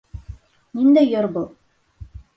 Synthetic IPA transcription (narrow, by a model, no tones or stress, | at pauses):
nind̪æjoɾbɤlˠ